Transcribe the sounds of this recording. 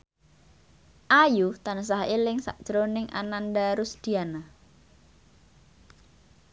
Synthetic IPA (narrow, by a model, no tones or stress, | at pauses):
ʔajut̪anəs̬aɦelɪŋsa̰ʔd̥ʒ̥ɾonɪŋʔa̰nandaɾusd̪̥i̤ana